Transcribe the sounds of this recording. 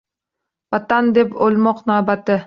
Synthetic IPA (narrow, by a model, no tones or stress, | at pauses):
vat̪and̪epolmɒqnaːbat̪ɪ